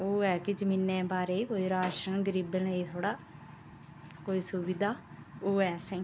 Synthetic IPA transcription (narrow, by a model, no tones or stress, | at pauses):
oːɛːkɪd͡ʒəmiːnːẽːbaːɾeːkoːiːɾaːʃəɳɡəɾiːbənəiːt̪ʰoːɽaː | koːiːsʊʋɪd̪ʱaːoːɛːsɛ̃ː